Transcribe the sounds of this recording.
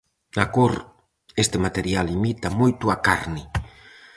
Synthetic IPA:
akoɾ | est̪emat̪eɾjalimit̪amojt̪ʊakaɾni

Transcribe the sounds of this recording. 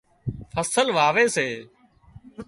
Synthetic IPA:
fʰəsəlʋaːʋeːseː

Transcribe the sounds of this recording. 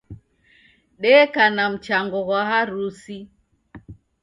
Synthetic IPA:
ɗɛkanam̩t͡ʃaŋɡɔɣwaɦaɾusi

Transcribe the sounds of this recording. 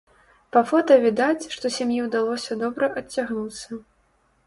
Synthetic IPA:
pɐfɔt̪ɐvʲid̪at͡sʲʂt̪ɔsʲamjiwd̪alˠɔsʲɐd̪ɔbɾɐʔɐt͡sʲːaɣnut̪sɐ

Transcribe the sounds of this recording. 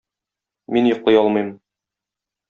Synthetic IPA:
minjŏqlˠɤjɒlˠmɤ̆jm

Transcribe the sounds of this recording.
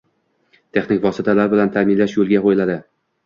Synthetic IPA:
t̪ʰe̞χnɪkʲvɒsɪt̪ʰalaɾbɪlant̪ʰamɪnlaʃjolˠɡʲaqojɪlad̪ɪ

